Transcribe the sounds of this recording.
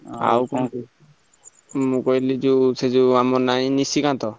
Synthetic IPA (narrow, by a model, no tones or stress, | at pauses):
a̰wkɔ | mukɔjlid͡ʒused͡ʒuamɔɾnaninisikant̪ɔ